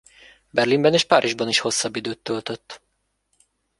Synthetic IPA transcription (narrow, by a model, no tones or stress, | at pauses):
bɛrlimbɛneːʃpa̰ːɾʔiʒbɒniʃho̞sːɒbːid̪øːt̪ːølt̪øt̪ː